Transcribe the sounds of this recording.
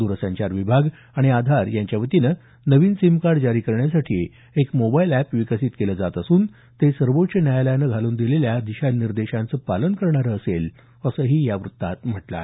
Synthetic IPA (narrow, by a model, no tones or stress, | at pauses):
d̪uɾəsãɲt͡ɕaɾʋibʱaɡ | aɽ̃iad̪ʱaɾjaɲt͡ɕjaʋət̪inə | nəʋiːnsimkaɾɖd͡ʑaɾiːkəɾɳjasaʈʰḭː | ekmobailæpʋikəsiːt̪keləd͡zat̪əsuːn | t̪esəɾʋoʈɕənjajaləjanəɡʱaluːnd̪ileljad̪iɕaniɾd̪eɕãnt͡səːpalənkəɾɳaɾəːsel | əsəːɦiːjaʋɾut̪ːat̪m̤əʈla̰